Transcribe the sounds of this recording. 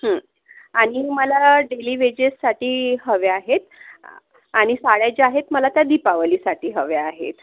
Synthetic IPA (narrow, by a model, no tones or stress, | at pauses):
ɦə̃ | aɽ̃iməlaɖeliːʋed͡ʑesːaʈiːɦəʋeaɦet̪ | aɽ̃isaɽjajt͡ɕeaɦet̪məlat̪jad̪ipaʋəliːsaʈiːɦəʋeaɦḛt̪